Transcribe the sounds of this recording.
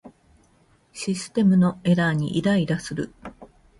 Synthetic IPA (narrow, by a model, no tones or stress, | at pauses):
ɕisɨ̥t̪e̞mɯ̟no̞e̞ɾaɲ̟ḭʔid̪aid̪asɨɾɯ̟̰